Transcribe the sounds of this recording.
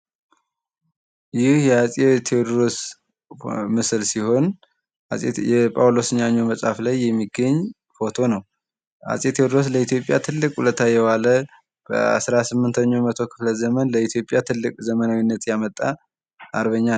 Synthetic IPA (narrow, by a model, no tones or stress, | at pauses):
jɪhjɛasʼet̪ʰed̪ɾos | mɨslsiho̞n | ɛpʼawlosɨɲːaɲːoməsʼhaflajːɛmːiɡəɲː | fo̞t̪ʰo̞nəw | ha̰sʼjet̪ʰed̪ɾos̬ləit̪jo̞pʼja̰t̪ʰɨlːɨkʼhulət̪ʰːajɛβalə | b̥ə̰a̰sɾasɨmːɨnt̪ʰəɲːomət̪ʰo̞kʰɨ̥fləzəmənləit̪ʰjo̞pʼːjat̪ʰɨlːɨkʼzəmənawinːət̪jamət̪ʼːa | ʔaɾβəɲːa